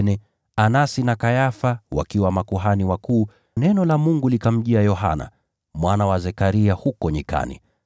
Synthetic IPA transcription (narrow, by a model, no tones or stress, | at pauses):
nɛ | anasinakajafawa̰kiwamakuɦaniwakuː | nɛnɔlamuŋɡulikam̩ʄiajɔɦa̰na̰ | mwanawazɛkaɾiahukɔɲika̰nḭ